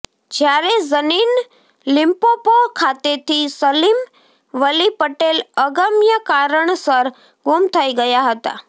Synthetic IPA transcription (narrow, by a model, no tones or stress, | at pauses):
d͡ʒjaɾezəniːn | lɪmpopoɾkʰat̪et̪ʰisəlim | ʋəlipəʈeləɡəmjəkaɾəɳsəɾ | ɡumt̪ʰəiɡəjaɦət̪a̰